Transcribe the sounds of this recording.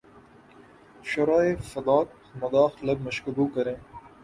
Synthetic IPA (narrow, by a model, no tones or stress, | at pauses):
ʃɐɾaːefɐd̪ɑːk̚ | mɐd̪ɑːxlɐb̚mɐʃkɐbuːkɐɾẽː